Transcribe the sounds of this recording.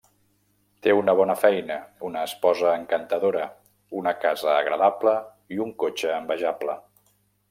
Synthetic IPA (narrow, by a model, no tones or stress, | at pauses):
t̪eunəβ̞ɔnəfɛjnəunəːspɔzəːŋkənt̪əðoɾə | unəkazəːɣɾə̰ðaplə | iuŋkot͡ʃəːmbəʒaplə